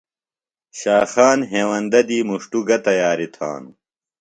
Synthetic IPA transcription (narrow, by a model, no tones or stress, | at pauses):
ɕaːxaːnɦeːwɐnd̪ɐd̪iːmuʂʈuɡɐt̪ɐjaːɾit̪ʰa̰ːnu